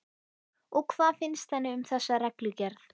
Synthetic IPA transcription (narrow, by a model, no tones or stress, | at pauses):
ɔkʰvaːðfɪnst̪hɛnːɪʏmθɛsːaɾɛklʏcɛɾθ